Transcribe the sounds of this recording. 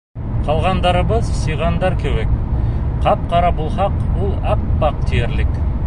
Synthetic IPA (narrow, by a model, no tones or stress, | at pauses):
qʰɑlˠʁɑnd̪ɑɾəbəzsɤjʁɑnd̪ɑɾkʲʰewekqʰɑp̚qʰɑɾɑbulˠχɑqbʊlˠɑp̚bɑq̚t̪ʰijeɾlɪk